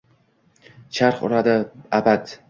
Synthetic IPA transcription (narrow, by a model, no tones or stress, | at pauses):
t͡ʃʰaɾχʊ̰ɾad̪ɪabad̪